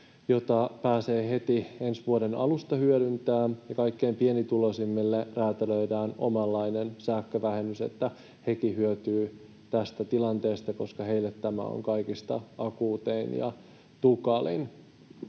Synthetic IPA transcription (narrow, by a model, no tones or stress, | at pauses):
jo̞t̪ɑpæːseːhe̞t̪iensʋuoɾenɑ̰lust̪ɑhyøɾynt̪æːjɑkɑikːe̞impienit̪ulosimːilːeræːt̪eløidæːno̰mɑlːɑinensæːkːøʋæhemysḛt̪ːæ | hekihyøt̪yː | t̪æst̪æt̪ilɑnt̪eːst̪ɑko̞skɑɦeilːet̪ːæmæ̰o̰ŋkɑikist̪ɑ̰ɑkuːt̪einjɑ̰ | t̪ukɑlḭn